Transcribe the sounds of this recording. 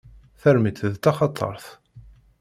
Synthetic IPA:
θæɾmit̪ðt̪ɑχɑt̪ˤʰːɑ̰ɾˤθ

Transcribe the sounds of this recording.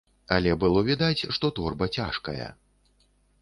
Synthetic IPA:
ɐlʲɛbɨlˠɔvʲid̪at͡sʲʂt̪ɔt̪ɔrbɐt͡sʲaʂkɐ̰jɐ̰

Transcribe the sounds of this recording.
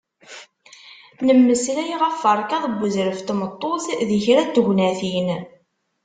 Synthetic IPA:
nəmːəslæjiʁæfːəɾˤkæðˤəbːəzɾəft̪mət̪ˤːoθðiçɾæd̪əɡnæθin

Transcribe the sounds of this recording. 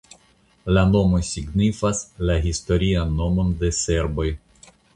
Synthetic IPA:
lano̞mo̞jsiɡnifaslaɦisto̞ɾianːo̞mo̞nde̞se̞ɾbo̞j

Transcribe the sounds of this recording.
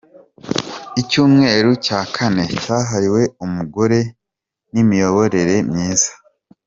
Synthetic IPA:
icuːmŋe̞ːɾucaːkʰane̞caːɦaɾiwe̞umuɡo̞ɾe̞ | nimijo̞βo̞ɾe̞ɾe̞mɲiːzḁ

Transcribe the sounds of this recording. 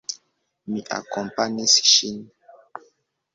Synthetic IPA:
miʔa̰kɔ̃mpaɲesi̥ʃin

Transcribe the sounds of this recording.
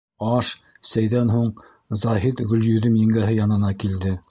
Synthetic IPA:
ɑʃ | sæjðænɦuɴ | zɑɦit̪ɡɵ̆ljɵ̆ðɘmjɘ̆ŋɡæɦɘjɑnɤ̆nɑkild̪ɘ

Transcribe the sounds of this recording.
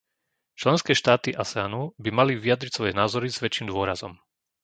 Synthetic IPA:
t͡ʃlɛnskɛːʃt̪aːt̪iʔasɛanubimaliʋiad̪ɾisʋɔjɛnaːzɔɾizʋɛt͡ʃiːmd̪ʊɔɾazɔm

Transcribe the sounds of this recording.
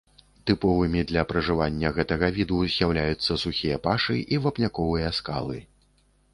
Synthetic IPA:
t̪ɨpɔvɨmʲid̪lʲɐpɾɐʐɨvanʲːɐɣɛt̪ɐɣɐvʲid̪uzʲjawlʲajut̪sːɐsuxʲijɐpaʂɨʔivapnʲakɔvɨjɐska̰lˠɨ̰

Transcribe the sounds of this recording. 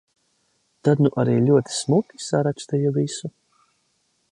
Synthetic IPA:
t̪ad̪nuʔaɾiːlʲuɔt̪i̥smukʲi̥saɾakst̪ɛjɛvisu

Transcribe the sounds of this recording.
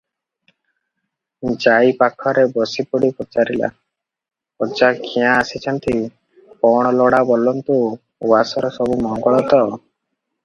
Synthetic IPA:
d͡ʒaipakʰɔɾebɔsipuɽipɔt͡ʃaɾila̰ | ɔd͡ʒakʰijãːsit͡ʃʰɔnt̪i | pɔɽ̃ɔlɔɽabɔlɔnt̪u | wasɔɾɔsɔbumɔŋɡɔɭɔt̪ɔ

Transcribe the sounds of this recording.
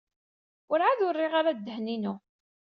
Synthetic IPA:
ʊɾʕaðʊɾːɪʁaɾad̪ːəhninu

